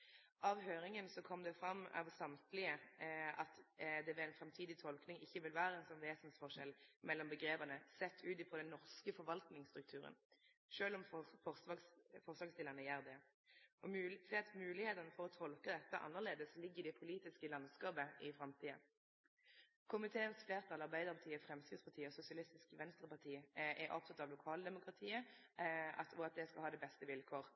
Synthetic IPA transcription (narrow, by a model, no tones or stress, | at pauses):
ʔɑʋɦøːɾɪŋənsɔkʰɔmd̪ɛfɾɑmːɑ̰ʋsɑmt̪lɪəɑt̪d̪ɛʋɛɛɪnfɾɛmt̪ʰiːd̪ɪt̪ʰɔlknɪŋɪçːəʋɪlʋæːɾəɛnsɔnʋeːsənsfɔʂɛlmɛlːɔmbəɡɾeːbəʁnəsɛt̪ʰːʉːt̪ɪpʰɔd̪ɛnːɔʁskəfɔɾʋɑlt̪nɪŋst̪ɾʉk̚t̪ʰʉːɾə̰n | ʃøːlɔmfɔsɑsfɔʁsʋɑːɡsd̪ɪləʁnəjæːʁd̪ɛ | ʔɔd̪ɛɑt̪mʉːlɪheːt̪ɑnəfɔʁɔt̪ʰɔlkəd̪ɛt̪ːəʔɑ̰nːəʁleːd̪əslɪɡːəʁɪd̪ɛpʰʊliːt̪ɪskəlɑnd̪skɑːpəɪfɾɑmt̪ʰiːə̰ | kʰʊmɪt̪ʰeːənsfleːʁt̪ʰɑlɑʁbæɪd̪əʁpɑʁt̪iːəfʁɛmskɪt̪spɑt̪ʰiːəɔsʊsɪɑlɪst̪ɪskʋɛnst̪ʁəpɑʁt̪ʰiːʔɛɾʔɔ̰p̚t̪ʰɑt̪ɑʋlʊkʰɑːld̪ɛmʊkʁɑt̪ʰiːə | ɑɔɑt̪̚d̪ɛskɑlhɑːd̪ɛbɛst̪əʋɪlkʰoːʁ